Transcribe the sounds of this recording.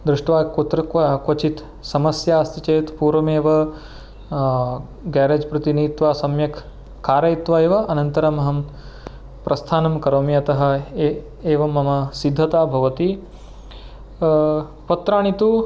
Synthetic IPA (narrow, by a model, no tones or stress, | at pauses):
d̪ɾuʂʈʋaːkt̪ɾɐkʋɐt͡ʃit̪ | sɐmɐsjaːɐst̪ʰit͡ʃeːt̪puːɾʋɐmeːʋɐ | ɡɛːɾeːd͡ʒpɾɐt̪iniːt̪ʋaːsɐmjɐkː | aːɾɐit̪ʋɐeːʋɐʔɐnɐnt̪ɐɾɐmɐɦɐm | pɾʔɐst̪ʰaːnɐmkɐɾoːmiɐt̪ɐɦɐ̆ | eːʋɐmɐmɐsid̪ʱːɐt̪aːbʱɐʋɐt̪i | pɐt̪ɾaːɳit̪u